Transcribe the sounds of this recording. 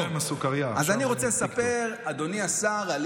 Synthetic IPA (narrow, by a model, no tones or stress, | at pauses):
masukaʁjaazzaniʁo̞t͡selesape̞ʁad̪o̞niasaʁal